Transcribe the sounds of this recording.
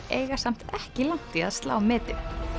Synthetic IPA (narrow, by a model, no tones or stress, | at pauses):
eːjɣasam̥t̪ɛhcɪlan̥t̪ɪaðst̪la̰ːwmɪːt̪ɪ